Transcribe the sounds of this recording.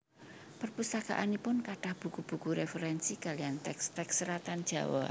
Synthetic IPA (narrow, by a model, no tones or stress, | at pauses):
pərpust̪aka̰ʔanipʊnkaʈahb̥ukub̥ṳkuɾefəɾɛnsikaliant̪ɛkst̪ɛksːəɾat̪and̥ʒ̥a̤̰wɔ̰